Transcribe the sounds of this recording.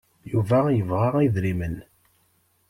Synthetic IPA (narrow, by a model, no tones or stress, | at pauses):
juvæjəvʁaʁiðɾimən